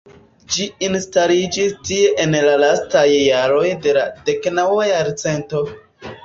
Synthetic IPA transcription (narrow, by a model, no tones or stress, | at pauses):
d͡ʒiinstalid͡ʒistie̞ʔenlalastajːaɾo̞jde̞lade̞knawajaɾt͡se̞nto̞